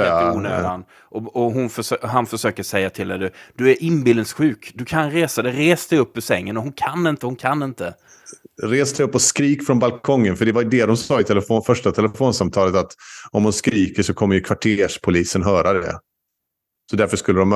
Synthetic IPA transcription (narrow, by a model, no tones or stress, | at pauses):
uːna̰n | ʔɔɔɦʊnfœɦanfœʂøːkəʂɛjːat̪ʰɪld̪ɛd̪ɵd̪̥ɵæɾʔɪnbɪld̪sɧʉ̟ːkd̪ɵkʰanɾeːsad̪ɛɾeːsd̪ɛjɵpːɔsɛŋːənɔɦʊnkʰanːɪnt̪əhʊnkʰanːɪnt̪ə | ɾeːsd̪ɛjɵpːɔskɾiːkfɾɔnbalkʰɔŋːənfœɖɛvajd̪ɛd̪ɔmsɑːɪt̪ʰɛlɛfoːfœʂʈat̪ʰɛlɛfoːnsamt̪ʰɑːlət̪at̪ɔmhʊnskɾiːkəʂɔkʰɔmːəɾjɵkʰvaʈʰeːʂpʰʊliːsənɦœːɾʔad̪ɛd̪ɛ̰ | sɔd̪æɾfœʂkɵlːəd̪ɔm